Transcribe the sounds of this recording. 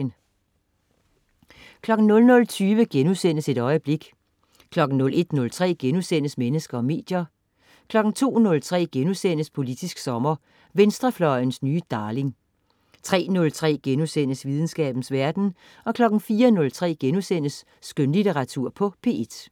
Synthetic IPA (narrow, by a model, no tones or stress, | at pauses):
n | kʰlɒ̽ɡ̥n̩nɔ̽lnɔ̽lt͡sʰyːʋəɡ̥enusen̰əse̝d̥ɒ̽ɪəb̥le̝ɡ̥ | kʰlɒ̽ɡ̥n̩nɔ̽lʔe̝d̥nɔ̽lt͡sʰʁɛ̰ːɡ̥enusen̰əsmenəsɡ̥ɐɒ̽me̝̰ːd̥jɐ | kʰlɒ̽ɡ̥n̩t͡sʰo̝̰ːnɔ̽lt͡sʰʁɛ̰ːɡ̥enusen̰əspʰo̝lid̥isɡ̥sɒ̽mɐ | ʋensd̥ʁɐflɒɪnsnyːəd̥ɑ̈ːle̝ŋ | t͡sʰʁɛ̰ːnɔ̽lt͡sʰʁɛ̰ːɡ̥enusen̰əsʋið̞ˠn̩sɡ̥ɛ̰ːb̥n̩sʋæɐd̥n̩ | ɒ̽kʰlɒ̽ɡ̥n̩fiːɐnɔ̽lt͡sʰʁɛ̰ːɡ̥enusen̰əsː | ɡ̥ønlit͡sʰeʁɑ̈t͡sʰuɐ̰pʰɒ̽pʰe̝ːe̝d̥